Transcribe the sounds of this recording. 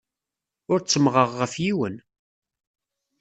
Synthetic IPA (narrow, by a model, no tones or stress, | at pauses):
ʊɾt͡sːəmʁəʁːəfjiwən